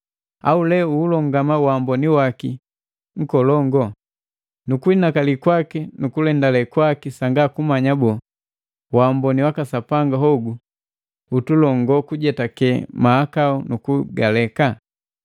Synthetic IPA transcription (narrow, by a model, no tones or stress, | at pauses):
a̰ulɛuːlɔŋɡamawambɔniwaki | ŋ̩kɔlɔŋɡɔ | nukuinakalikwakinukulɛndalɛkwakisaŋɡakumaɲabɔ | wambɔniwakasapaŋɡaɦɔɡu | utulɔŋɡɔkuɟɛtakɛmaːkaunukuɡalɛka